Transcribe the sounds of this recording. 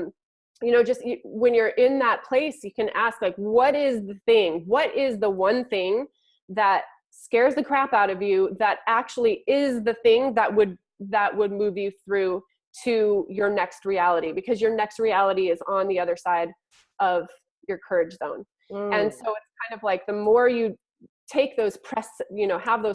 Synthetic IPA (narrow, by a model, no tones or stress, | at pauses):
jɨñoʊd͡ʒʌstjɨwɨ̃njə˞ʔɪ̃nðət̚pʰl̥eɪsjɨkɨ̃nʔæsklaɪkwʌɾɪzðɨθɪ̃ŋwʌɾɪzðəwʌ̃nθɪ̃ŋ | ðət̚ | skɛɹzðɨkʰɹ̥æpaʊɾʌvjʉðɨɾæk̚t͡ʃul̩ˠiɪzðɨθɪ̃ŋðəʔ̚wɨd̚ | ðəʔ̚wʔəd̚mʉvjɨθɹʉ | ɾɨjə˞nɛkst̚ɹiælˠəɾibɨkʰʌzjə˞nɛkst̚ɹiælˠəɾiɨzn̩ðiʌðə˞saɪɾ | ʔʌv̥ | jə˞kʰɜ˞ɨd͡ʒzõʊ̃n | ɨ̃nsoʊɨtskʰãɪ̃ndʌvlaɪk̚ðɨmɔɹjɨ | tʰeɪk̚ðoʊz̥pʰɹ̥ɛsjɨnoʊəvðoʊz